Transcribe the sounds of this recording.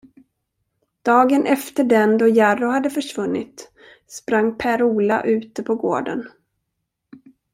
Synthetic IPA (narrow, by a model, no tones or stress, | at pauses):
d̪̥ɑːɡənʔɛft̪əɖɛnd̪ɔjaɾʊhad̪ːəfœʂvɵnːɪ̰t̪ | spɾaŋːpʰæɾuːla̰ʔʉ̟ːt̪əpʰɔɡo̰ːɖə̰n